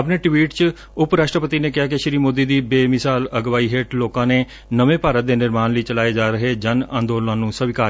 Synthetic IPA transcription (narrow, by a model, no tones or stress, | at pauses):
əpneːʈʋiːʈt͡ʃ | ʊpɾaːʃʈɾəpət̪iːneːkɪɦaːkɪʃɾiːmoːd̪iːd̪iːbeːmɪsaːləɡʋaːiːɦeːʈloːkãːneː | nəʋẽːpaːɾət̪̚d̪eːnɪɾmaːnləiːt͡ʃəlaːeːd͡ʒaːɾəɦeːd͡ʒənã̰ːnd̪oːlnãːnũːsəʋɪkaː